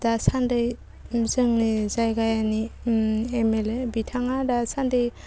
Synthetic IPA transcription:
dasandɯj | zɯŋnizajɡajani | emelebitʰaŋadasandɯj

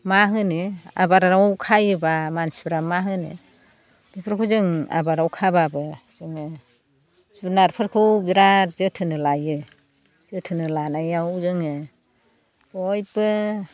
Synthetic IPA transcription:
maɦɯnɯa̰baɾaɾawkʰajɯbamansi̥biɾamaɦɯnɯ̰ | dipʰɯɾkʰuzɯŋa̰baɾawkʰababɯz̥ɯŋɯ | snaɾpʰɯɾkʰɯbiɾazɯtʰɯnɯlajɯ | z̥ɯtʰɯnɯlanajawzɯŋɯ | ɔjbɯ

